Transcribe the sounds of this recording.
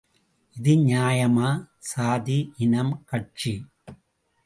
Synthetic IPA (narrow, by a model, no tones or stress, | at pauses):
ʔɪðɯɲaːjɐmaː | saːðiʔɪnɐmkɐʈ̚t͡ʃi